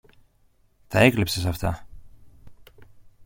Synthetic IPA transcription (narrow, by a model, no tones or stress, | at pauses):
t̪ɐe̞klipse̞sɐft̪ɐ